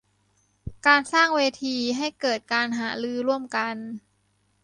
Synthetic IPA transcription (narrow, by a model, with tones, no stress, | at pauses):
kaː˧nsaː˥˩ŋweː˧t̪ʰiː˧ɦa˥˩jkɤː˨˩t̪̚kaː˧nɦaː˩˦ɾɯː˧ɾu˥˩əmka˧n